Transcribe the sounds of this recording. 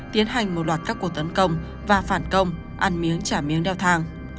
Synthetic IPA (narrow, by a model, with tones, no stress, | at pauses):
t̪i˨˦ənɦa˨˩jŋ̟mo˨˩t̚lwaː˨˩t̚kaː˦˥kːu˨˩k̚t̪ə˨˦nkə˧wŋ͡m | vaː˨˩faː˧˩nkə˧wŋ͡m | ʔaː˧˩nmi˨˦əŋt͡ɕaː˧˩mi˨˦əŋɗɛ˧˩wt̪ʰaː˧ŋ